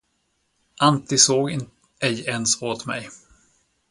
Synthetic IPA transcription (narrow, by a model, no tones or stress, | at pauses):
ʔant̪ɪsoːɡɪn | ɛjɛnsoːt̪mɛ̰j